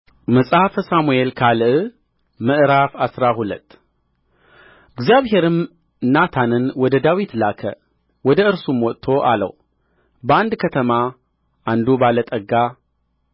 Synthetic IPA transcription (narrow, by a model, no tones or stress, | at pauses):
məsʼafəsamuelkʰalɨʔɨ | mɨʔɾafasɾaɦulə̰t̪ː | ɨɡzijaβɦe̞ɾɨm | nat̪ʰanɨnwɔd̪əd̪awit̪lakʰə̰ | wɔd̪əɨɾsumwɔt̪ʼt̪ʰo̞ʔa̰lə̰w | bəand̪kʰət̪ʰəma | ʔand̪ubalət̪ʼəɡa